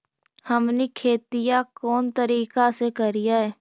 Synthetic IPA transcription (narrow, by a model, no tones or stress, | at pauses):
həmnikʰeːt̪ijakɔːnt̪əɾiːkasekɐɾijaɦɛː